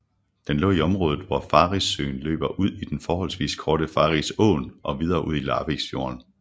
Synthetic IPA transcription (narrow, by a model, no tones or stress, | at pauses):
d̥enlɔ̰ːiɒ̽mʁɔ̽ːð̞ˠð̩ˠʋɒfɑ̈ːʁisø̰ːnlø̰ːb̥ɐʔuð̞̰ˠid̥enfɒːɦɒ̽l̰sʋḭːskʰɒːɾəfɑ̈ʁisɔ̰̽ːnʔɒ̽ʋið̞ˠɐːʔuð̞̰ˠilɑ̰̈ːʋeɡ̥sfjo̝̰ɐn